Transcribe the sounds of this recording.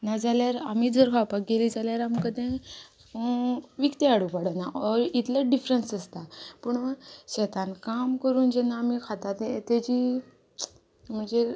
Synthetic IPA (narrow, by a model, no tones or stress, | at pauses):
nad͡zaljaɾamiːd̪ʱəɾkʰapakɡeliːd͡zaljaɾamkəd̪ẽ | ʋikt̪eaɽupaɽənaʔɔɾit̪ləɖifɾənsəst̪apəɳʋaɕɛt̪ankamkəɾuːnd͡ʑɛnːaːmikʰat̪at̪et̪ed͡ʑi | m̤əɳd͡ze